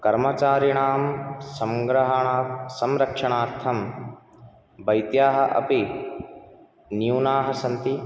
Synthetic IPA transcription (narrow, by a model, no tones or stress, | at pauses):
kɐɾmɐt͡ʃaːɾiɳaːmsɐmɡɾɐɦɐɳaːsɐmɾɐkʂɐɳ̃aːɾt̪ʰɐm | bɐjt̪jaːɦɐʔɐ̰pi | njuːnaːɦɐsɐnt̪i